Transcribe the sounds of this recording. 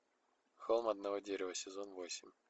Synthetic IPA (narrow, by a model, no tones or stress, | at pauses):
xolˠmɐd̪nɐvodʲeɾʲɪvəsʲɪzonvo̞sʲɪmʲ